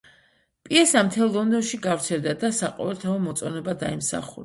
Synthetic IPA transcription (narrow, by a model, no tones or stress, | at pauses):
pʼiɛsamt̪ʰɛlˠːɔnd̪ɔnʃiɡavɾt̪sʰɛld̪ad̪asaqʼɔ̰vɛlt̪ʰaɔmɔt̪sʼɔnɛbad̪aimsa̰χṵɾa